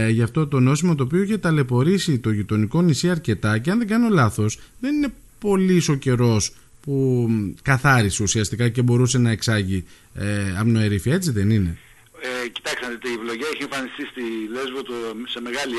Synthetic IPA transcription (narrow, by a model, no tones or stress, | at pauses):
ʝɐft̪o̞t̪o̞no̞simɐt̪oːpioiçe̞t̪ɐle̞po̞ɾisit̪o̞ʝit̪o̞niko̞nisiɐɾce̞t̪ɐceɐnðeɡɐno̞lɐθo̞sðe̞nine̞ | po̞liso̞ce̞ɾo̞s | pukɐθɐɾiseusiɐst̪ikɐce̞bo̞ɾuse̞nɐeksɐʝi | ɐmno̞eɾifiɐe̞t͡siðe̞nine̞ | eci̥t̪ɐksɐnt̪ievlo̞ʝɐeçiẽɱfɐnist̪ist̪ile̞zvot̪ose̞me̞ɣɐli